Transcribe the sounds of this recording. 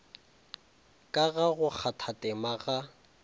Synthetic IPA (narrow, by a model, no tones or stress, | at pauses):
kʼaɣaɣʊk͡xʰatʰatʼɛmaɣa